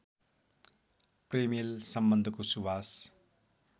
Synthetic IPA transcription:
premilsʌmbʌnd̪ʱʌkosuwas

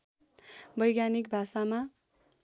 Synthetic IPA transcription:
bʌjɡjanik̚bʱasama

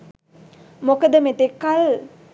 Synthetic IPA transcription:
mokəd̪əmet̪ekːal

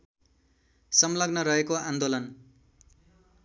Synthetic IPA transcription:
sʌmlʌɡnʌɾʌɦekoand̪olʌn

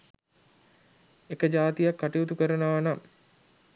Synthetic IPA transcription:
ekəd͡ʒaːt̪ijakːaʈiut̪ukəɾənəʋanam

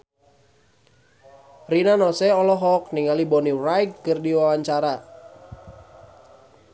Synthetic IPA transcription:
rinanɔsɛɔlɔɦɔk̚niŋalibɔnirajk̚kɨrdiwawaɲt͡ʃaɾa

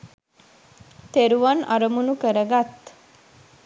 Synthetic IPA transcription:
t̪eɾuʋanaɾəmunukəɾəɡat̪

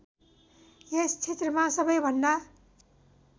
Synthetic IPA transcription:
jest͡sʰet̪rʌmasʌbʌjbʱʌnd̪a

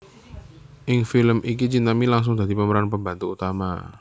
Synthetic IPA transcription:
ʔɪŋfiləmʔik̬it͡ʃint̪amilaŋs̬ʊŋd̪a̤d̪i̤pəməɾanpəmbant̪uːt̪ama̰

